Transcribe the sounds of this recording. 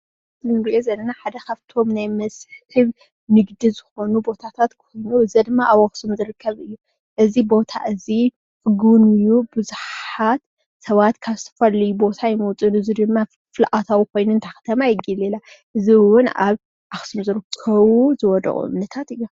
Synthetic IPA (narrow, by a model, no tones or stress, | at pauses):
zɨnɾijezɐlːɐnaħad̪ɐkʰaβt̪ʰo̞mnajmɐsħhɨβ | nɨɡd̪izɨxo̞nubo̞t̪ʰat̪ʰat̪kʰojnuɨzɐd̪ɨmːaʔaβaxsumzɨɾɨkʰːɐβɨjːu | ʔɨzibo̞t̪ʰa̰ʔɨzi | fɨɡunɨjːubɨzuħħat̪ | sɐβat̪kʰaβzɨ̥t̪ʰɐ̥fɐlːɐjubo̞t̪ʰajɪmɐwt͡sʼɨnɨzid̪ɨmːa | fɨlʔat̪ʰawikʰo̞jnunt̪ʰaxɐ̥t̪ʰɐmajɪɡilela | ʔɨziwʊna̰β | ʔaxsumzɨɾɨkʰːɐβuzɨwɔd̪ɐ̰ʔʼṵʔɨ̰mnɐt̪ʰat̪ɨja